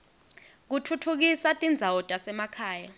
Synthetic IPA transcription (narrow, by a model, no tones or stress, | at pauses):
k̬utʰutʰuk̬isatʼind͡zʱawɔtʼasɛmakʰaːja